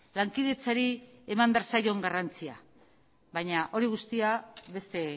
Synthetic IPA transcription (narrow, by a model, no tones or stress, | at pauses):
laŋkiðe̞t͡saɾie̞mambeaɾsajo̞ŋɡarant͡sia | βajɲaʔo̞ɾiɣust̪iaβe̞st̪e̞